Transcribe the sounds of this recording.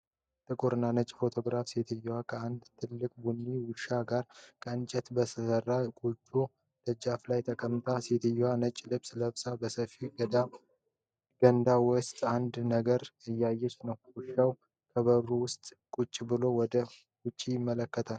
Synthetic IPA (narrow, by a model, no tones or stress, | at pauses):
t̪ʼɨkʼuɾɨnːanət͡ʃʼfo̞t̪ʰo̞ɡɾafset̪ʰɨjwakʰəand̪t̪ʰɨlːɨkʼbunːiwʊʃaɡaɾkʼʰəɨnt͡ʃʼɛt̪bəsəsərːakʼut͡ʃʼːu | d̪̥əd͡ʒaflajt̪ʰəkʰəmːt̪ʰaset̪ʰɨjːwanət͡ʃʼlɨβsləβsʼabəsəfiɡəd̪a | ɡ̥ənd̪awɔst̪ʼand̪nəɡəɾɨjːajːɛt͡ʃːnəwwʊʃːaw | kʰəβəɾuwʊst̪ʼkʼut͡ʃʼːbɨlo̞wɔd̪ə | wʊt͡ʃʼːijɪmːələkːət̪ʰal